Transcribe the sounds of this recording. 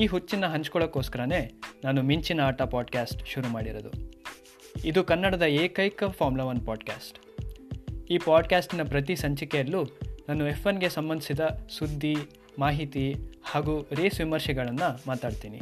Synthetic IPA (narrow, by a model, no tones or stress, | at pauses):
iːɦut͡ʃːinːɐɦɐɲt͡ʃkɔɭɐkːoːskɐɾɐne̞ːnaːnumiɲt͡ʃinɐaːʈɐpaːɖkaːsʈʃuɾumaːɽiɾɐd̪ṵ | id̪ukɐnːɐɽɐd̪ɐeːkɐjkɐpʰaːɾmulɐʋɐnpaːɖka̰ːsʈ | iːpaːɖkjaːsʈinɐpɾɐt̪̬isɐɲt͡ʃikɛjɐlːunaːnuefenɡesɐmbɐnd̪ʱisid̪ɐsud̪ʱːi | maːɦit̪ihaːɡuːɾeːsʋimɐɾʃɛɡɐɭɐnːɐmaːt̪aːɖt̪iːnḭ